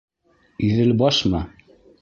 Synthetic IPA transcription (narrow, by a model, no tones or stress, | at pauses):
iðɘlbɑʃmɑ